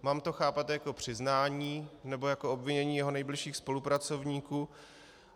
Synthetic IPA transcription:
maːmt̪o̞xaːpat̪jako̞pr̝̥ɪznaːɲiːnɛbo̞jakoobvɪɲɛɲiːjɛɦo̞nɛjblɪʃiːxspo̞lupɾat͡so̞vɲiːkuː

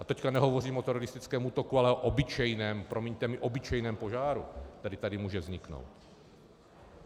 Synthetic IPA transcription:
ʔat̪ɛckanɛɦo̞voriːmot̪ɛɾɔlɪst̪ɪt͡skɛːmuːt̪okualɛoʔobɪt͡ʃɛjnɛːmpɾo̞mɛɲt̪ɛmɪʔo̞bɪt͡ʃɛjnɛːmpo̞ʒaːɾṵt̪ɛdɪt̪adɪmuːʒɛvzɲɪkno̰wt̪

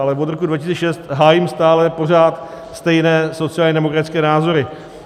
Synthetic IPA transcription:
alɛvo̞t̪ɾo̞kudvacɪst͡sɛʃɛst̪ɦaːjimst̪aːlɛpo̞r̝aːt̪ | st̪ɛjnɛːso̞t͡sɪaːlɲɛdɛmokɾat̪ɪt͡skɛːnaːzo̞ɾɪ

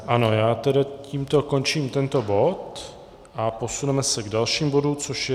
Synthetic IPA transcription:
ʔano̞jaːt̪ɛdaciːmt̪o̞ko̞nt͡ʃiːmt̪ɛnt̪o̞bo̞t̪ | ʔapo̞sunɛmɛsɛɡdalʃiːmbo̞dut͡so̞ʃjɛ

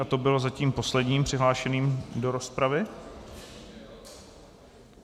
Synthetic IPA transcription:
at̪o̞bɪlo̞zaciːmpo̞slɛdɲiːmpr̝̥ɪɦlaːʃɛniːmdo̞ɾo̞spɾavɪ

